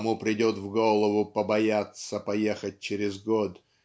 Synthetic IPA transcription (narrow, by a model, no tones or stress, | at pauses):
mupɾʲɪdʲot̪vɡolˠəvʊpəbɐjat̪səpɐjexət̚ʲt͡ɕɪɾʲɪzɡot̪